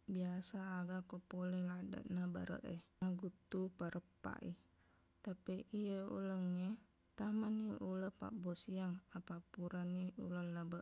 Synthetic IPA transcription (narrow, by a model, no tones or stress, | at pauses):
biasaːɡakopolelada̰ʔnabaɾə̰ʔeaɡut̪upaɾəpːa̰ʔḭ | t̪apiʔijəṵləŋɲe | t̪amaniʔuləhpa̰ʔbosiaŋapapuɾaniṵləlabəʔ